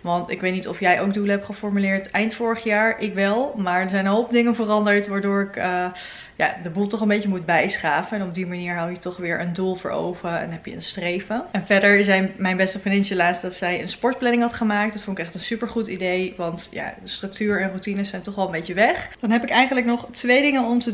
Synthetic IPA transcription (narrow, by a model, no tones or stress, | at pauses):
ʋɑntɪkʋejtnitɔfjɛjʔowk̚duləɦɛpχəfɔɹmylɪːɹtɛjntfʊːɹəχjaːɹʔɪkʋɛlˠmaːɹdəɹzɛjnɦolˠp̚dɪŋənvərɑndəɹtʋaːɹdʊːɹɪkə | ja̰ːdəbulˠtɔχənbejcəmud̚bɛjsχaːfənɛnɔb̚dimaniːɹɦɑwjətɔχʋɪːɹʔəndulˠvʊ̰ːɹo̰wvəɛ̰nɦɛpjəənstrejfəɛnvɛɹdəɹzɛjnmɛjnbɛstəpinɪnsəlaːtstdɑtsɛjənspɔɹt̚plɛnɪŋɦɑtχəmaːktdətfɔnɪkɛχtənsypəɹχutidejʋɑntja̰əstrɵk̚tyːɹɛnrutinəsɛjntɔχʋɛlˠəmbejcəʋɛχd̥ɑnɦɛpɪkɛjχənləknɔχtʋejdɪŋənɔmtə